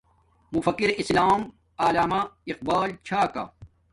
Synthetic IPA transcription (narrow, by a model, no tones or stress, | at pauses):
mufɐkːiɾislaːm | aːlaːmaiq̚baːlt͡ɕʰaːka̰